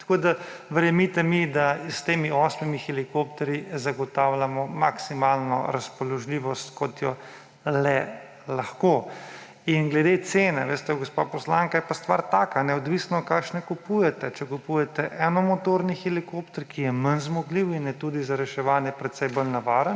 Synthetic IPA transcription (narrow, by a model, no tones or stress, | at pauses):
t̪ḁkoːd̪a | ʋəɾjɛmit̪ɛmid̪ast̪eːmiɔsmimixɛlikopt̪ɛɾjizaɡɔt̪aːwlʲjamɔmaksimaːlnɔ̰ɾaspɔlɔʒliːʋɔst̪kɔt̪jɔ | lɛ | laxkoː | inɡlɛd̪et̪seːnɛʋeːst̪ɛɡospa̰pɔslaŋkajɛpast̪ʋa̰ːɾt̪aːkanɛɔd̪ʋiːsnɔt̪kakʃnɛkupuːjɛt̪ɛt͡ʃɛkupuːjɛt̪ɛʔɛnɔmɔt̪oːɾnixɛlikopt̪ɛɾkijɛmənzmɔɡliwinjɛt̪uːd̪izaɾɛʃɛʋaːnjɛpɾɛt̪sɛjbolnaʋaːɾən